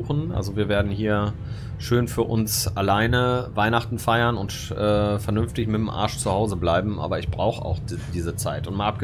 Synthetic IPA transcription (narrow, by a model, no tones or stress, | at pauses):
xn̩ʔa̰lzoviːɐveːɐdn̩ɦiːɐ | ʃøːnfyːɐʔʊnsʔalaɪnəvaɪnaχtn̩faɪɐnʊnt | ʔɛːfɛɐnʏnftɪçmɪtm̩ʔa̰ɐʃt͡suhaʊzəblaɪbm̩ʔa̰ːbɐɪçb̥ʁaʊxəʔa̰ʊxd | d̥iːzət͡saɪtʊntmaːlʔap̚ɡ̥ə